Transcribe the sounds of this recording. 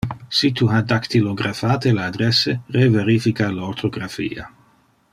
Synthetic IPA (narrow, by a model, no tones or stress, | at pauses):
sit̪ʰuɦad̪akt̪iloɡɾafaːt̪elaad̪ɾɛsereveɾifikalot̪ʰoɡɾafḭːa̰